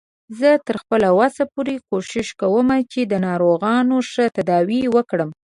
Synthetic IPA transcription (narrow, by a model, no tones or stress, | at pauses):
zət̪əɾxpəlawasapoɾekoʃɪʃkawəmat͡ʃed̪ənɑɾoɣɑnoʂət̪ad̪ɑwiwəkɽəm